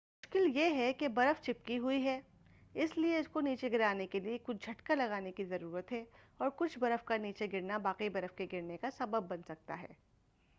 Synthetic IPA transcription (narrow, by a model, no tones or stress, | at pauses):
mmʊʃkɪljeɦɛkebɐɾəft͡ʃɪp̚kiɦʊiɦɛː | ɪslieʊskoniːt͡ʃeɡɪɾaːnekeliekʊt͡ʃʰd͡ʒʱɐʈkalɐɣaːnekizɐɾuːɾət̪ɦɛ | ɔːɾkʊt͡ʃʰbɐɾəfkaniːt͡ʃeɡɪɾnabaːqibɐɾəfkeɡɪɾnekasɐbəbːɐnsɐk̚t̪a̰ɦɛ̰ː